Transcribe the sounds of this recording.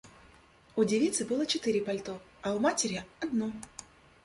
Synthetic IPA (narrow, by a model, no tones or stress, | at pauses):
ʊdʲɪvʲit̪sɨbɨlˠət͡ɕɪt̪ɨɾʲɪpɐlʲt̪oɐʊmatʲɪɾʲɪɐd̪no